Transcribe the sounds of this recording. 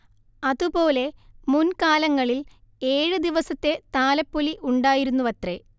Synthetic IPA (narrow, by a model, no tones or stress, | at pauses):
ɐðupo̞ːle̞munkaːlɐŋːɐɭil | eːɻɨd̪iʋɐsɐt̪ːe̞t̪aːlɐpːoliʔuɳɖaːjiɾunːuʋɐt̪re